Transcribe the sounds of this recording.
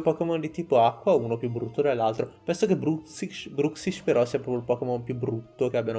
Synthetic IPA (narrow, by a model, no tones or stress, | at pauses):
pɔkemɔnd̪it̪iːpoakːwauːnopjubɾut̪ːod̪elːalt̪ɾopɛnsokebɾusit͡ʃbɾuksit͡ʃpeɾɔsiapɾɔpjolpɔkemɔnpjubɾut̪ːok̟eabjano